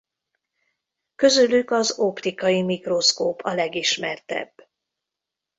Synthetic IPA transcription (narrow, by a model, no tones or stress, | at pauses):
kø̞zylykɒzo̞pt̪ikɒjimikro̞skoːpʰɒlɛɡiʃmɛrt̪ɛ̰bː